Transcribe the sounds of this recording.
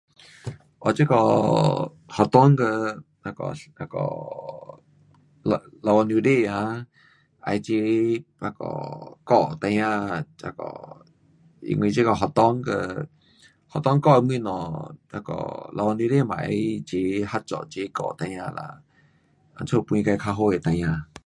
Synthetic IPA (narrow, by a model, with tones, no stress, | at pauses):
ʔɔ˧˨t͡ʃe˦kɔ˧˨ | hɔ˧˩t̪ɔ˦ŋkə˧ | a˧kɔ̰˧˨a˧kɔ̰˨ | la˧wa˧nju˧de˧˨a˧ | ʔa̰˧jt͡ɕe˧˦a˧˨kɔ̰˧˨kɔ˧˨t̪a˧jã˧a˧kɔ̰˧˨ | ḭ˧˨ŋʷwĩ˧t͡ʃe˦kɔ˧˨ɦɔ˨t̪ɔ˦ŋkə˧ | hɔ˨t̪ɔ˦ŋkɔ˧mwĩ˧˨nɔ̃˨a˧kɔ̰˧˨la˧wa˧nu˧de˦˧˨mã˨ʔa˧˦t͡ɕe˧ha˧˦t͡ʃɔ̰˧˨t͡ɕe˧˦kɔ̰˧˨t̪a˧jã˧la̰˧˨ | a˧nt͡sʰo˧˨pĩ˧ka˧jkʰa˧ɦo˧˦˨je˨t̪a˧jã˧